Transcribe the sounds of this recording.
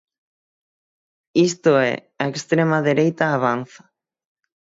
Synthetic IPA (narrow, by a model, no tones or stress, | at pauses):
ist̪ʊɛ̰ | ɐekst̪ɾemɐðeɾejt̪ɐːβ̞anθɐ̥